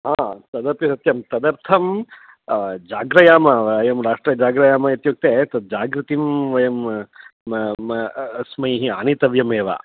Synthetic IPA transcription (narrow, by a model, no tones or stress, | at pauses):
aːt̪ɐd̪ɐɾpjisɐt̪jɐmt̪ɐd̪ɐɾt̪ʰɐm | d͡ʒaːɡɾɐjaːmɐʋɐjɐmɾaːʂʈɾɐd͡ʒaːɡɾɐjaːmɐjɐt̪jok̚t̪eːt̪ɐd̪̚d͡ʒaːɡɾɐt̪imʋɐjɐm | ɐsmɐjɦiaːnit̪ɐʋjɐmeːʋa̰ː